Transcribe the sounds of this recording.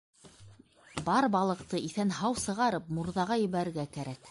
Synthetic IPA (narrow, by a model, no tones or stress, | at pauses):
bɑɾbɑlˠɤ̆q̚t̪ɤiθænɦɑwsɤ̆ʁɑɾɤp̚muɾðɑʁɑjɘ̆βæɾɘ̆ɾɡækæɾæk̚